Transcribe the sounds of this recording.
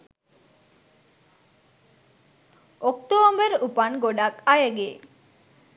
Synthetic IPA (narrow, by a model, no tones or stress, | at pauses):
okt̪oːmbəɾupanɡoɖakajəɡeː